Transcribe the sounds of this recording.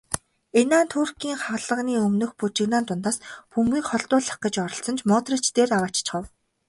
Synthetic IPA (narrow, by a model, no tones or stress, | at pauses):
enaːnt̪ʰuːr̥kiːŋχawɮə̆ʁniːɵmnɵ̆xput͡ɕɪ̆ɣnaːnt̪ʊnt̪aːspumɡiːkχɔɮt̪ʊːɮḁχqə̆t͡ɕɔɾɞ̆ɬt͡sɞ̆nt͡ɕmɔːt̪rĕt͡ɕt̪eːrawaːt͡ɕt͡ɕχə̆w